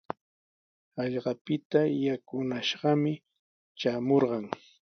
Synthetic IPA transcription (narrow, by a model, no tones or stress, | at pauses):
ɑʎɢɑpɪt̪ajakʊnaʃɢɑmɪ | t͡ʃaːmoɾɢɑŋ